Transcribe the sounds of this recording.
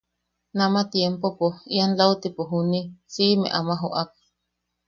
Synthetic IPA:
namat̪jempopoianlawt̪ipoɦunisimḛ̃ʔamaɦoʔak̚

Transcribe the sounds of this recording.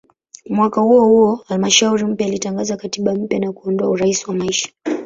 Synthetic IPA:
mwakahuɔhuɔhalmaʃauɾim̩pjaːlitaŋɡazakatiɓam̩pjanakuɔndɔauɾaisiwamaiʃḁ

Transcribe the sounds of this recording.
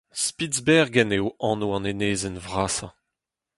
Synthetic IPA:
spizbɛʁɡɛnewɑ̃ːnoɑ̃neneːzɛnvʁaːsɑ̰̃

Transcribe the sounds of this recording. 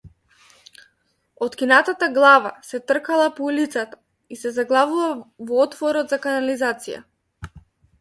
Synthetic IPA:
ɔt̪kʲinat̪at̪aɡlˠavasɛt̪r̩kalˠapɔulit̪sat̪ḁ | isɛzaɡlˠavuvavɔɔt̪vɔɾɔd̪zakanalizat̪sija̰

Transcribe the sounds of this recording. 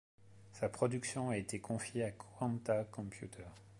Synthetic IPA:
sapχɔd̪yksjɔ̃aet̪ekʰɔ̃fjeakɑ̃nt̪akɔ̃pjut̪ʰɛːʁ

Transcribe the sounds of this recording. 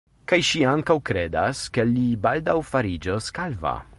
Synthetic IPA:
kajʃiaŋkawkɾed̪a̰skelibald̪awfaɾid͡ʒoskalva̰

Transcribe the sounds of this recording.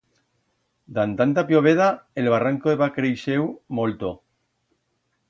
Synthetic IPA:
d̪ant̪ant̪apjoβ̞eðaelβaraŋkoðeβakɾejʃewmolt̪o

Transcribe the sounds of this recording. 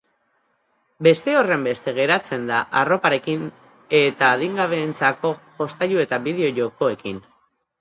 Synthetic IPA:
be̞st̪e̞o̞re̞mbe̞st̪e̞ɣ̞e̞ɾat͡se̞nd̪aʔaro̞paɾe̞kin | e̞t̪aːðiŋɡaβ̞e̞ːnt͡sako̞ʝo̞st̪aʎue̞t̪aβiðe̞o̞ʝo̞ko̞e̞kin

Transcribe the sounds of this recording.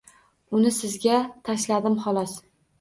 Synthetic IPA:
ʊnɪsɪzɡʲat̪ʰaʃlad̪ɪmhɒlɒs

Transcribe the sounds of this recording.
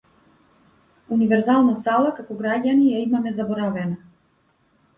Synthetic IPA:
univɛɾzalˠnasalˠakakɔɡɾaɟanijaimamɛzabɔɾavɛna

